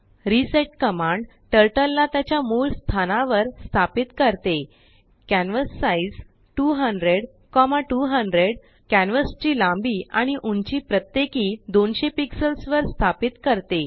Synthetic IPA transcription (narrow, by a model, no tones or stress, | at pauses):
ɾiseʈ̚kəmãɳɖ | ʈəɾʈəlːat̪jat͡ɕjamulst̪ʰanãʋəɾst̪ʰapit̪kəɾt̪e | kænʋəsːaid͡z | ʈuɦəɳɖɾeɽ | kɔmaʈuɦəɳɖɾeɽ | kænʋəst͡ɕiːlãmbiːaɽ̃iʔunt͡ɕiːpɾət̪jekiːd̪onɕepiksəlsʋəɾst̪ʰapit̪kəɾt̪e